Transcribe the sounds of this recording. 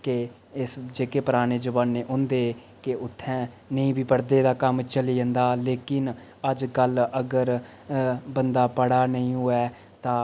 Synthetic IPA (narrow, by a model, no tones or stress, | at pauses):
ke | ɪsd͡ʒeːkeːpəɾaːɽ̃eːd͡ʒəbaːnːeːʔʊ̃nd̪eː | kɪʊt̪ʰːɛ̃ː | nəĩːbʱiːpəɽd̪eːd̪aːkəmt͡ʃəliːə̃nd̪aːleːkɪn | əd͡ʒkələɡəɾ | bənd̪aːpəɽaːnəĩːɦʊːɛː | t̪ãː